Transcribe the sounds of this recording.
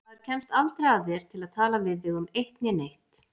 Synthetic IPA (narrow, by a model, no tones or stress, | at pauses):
aðɾ̥cʰɛmst̪alt̪ɾajajɛɾ̥t̪ʰɪlaðt̪ʰaːlavɪðɪɣʏmejht̪njɛnejht̪